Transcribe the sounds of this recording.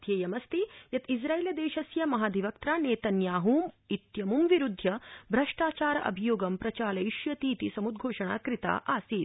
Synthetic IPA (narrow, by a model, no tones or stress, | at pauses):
d̪ʱjeːjɐmɐst̪ijɐt̪id͡ʒɾaːiːlɐd̪eːʃɐsjɐmɐɦaːd̪iʋɐk̚t̪ɾaːneːt̪ɐnjaːɦuːmit̪jɐmumʋiɾud̪ʱːjɐbʱɾɐʂʈaːt͡ʃaːɾɐʔɐ̰bʱijoːɡɐmpɾɐt͡ʃaːlɐiʃjɐt̪iːt̪isɐmud̪̚ɡʱoːʂɐɳ̃a̰ːkɾit̪a̰ːʔaːsiːt̪